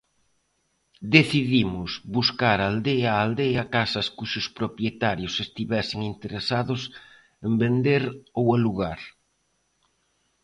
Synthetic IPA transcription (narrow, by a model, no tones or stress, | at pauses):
d̪eθiðimʊsβuskaɾald̪eaːld̪eakasɐskuʃʊspɾopɾjet̪aɾjʊsest̪iβɛseŋint̪eɾesaðʊs | embend̪eɾowaluɣaɾ